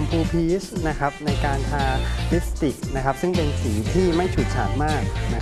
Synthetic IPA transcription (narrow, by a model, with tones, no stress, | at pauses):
mpʰuː˧pʰiː˦˥sna˦˥kʰa˦˥p̚na˧jkaː˧nt̪ʰaː˧li˦˥s̚t̪i˨˩k̚na˦˥kʰa˦˥p̚sɯ˥˩ŋpe˧nsiː˩˦t̪ʰiː˥˩ma˥˩jt͡ɕʰuː˨˩t̪̚t͡ɕʰa̰ː˨˩t̪̚maː˥˩k̚na˦˥